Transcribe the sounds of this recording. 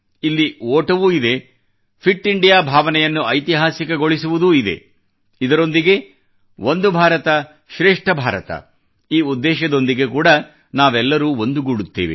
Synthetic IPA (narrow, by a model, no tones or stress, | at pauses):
ilːioːʈɐʋuːid̪e̞ | pʰiʈːiɳɖijaːbʱaːʋɐnɛjɐnːuɐjt̪iɦaːsikɐɡo̞ɭisuʋud̪uid̪e̞̰ | id̪ɐɾo̞nd̪iɡe̞ | ʋond̪ubʱaːɾɐt̪ɐ | ʃɾeːʂʈʰɐbʱaːɾɐ̰t̪ɐ̰ | iːud̪ːɛːʃɐd̪o̞nd̪iɡe̞kuːɽɐ | naːʋɛlːɐɾuːond̪uɡuɽut̪ːeːʋḛ